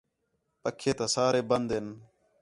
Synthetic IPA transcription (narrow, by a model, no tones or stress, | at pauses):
pəkʰːeːt̪aːsaːɾeːbənd̪ɪn